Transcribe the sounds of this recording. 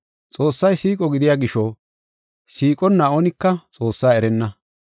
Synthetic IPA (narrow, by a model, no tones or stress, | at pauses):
t͡sʼoːsːɐjsiːkʼɔɡɪd̪ɪjaːɡɪʃɔ | siːkʼɔnːaːonɪkːɐt͡sʼo̞ːsːaːɛɾɛnːɐ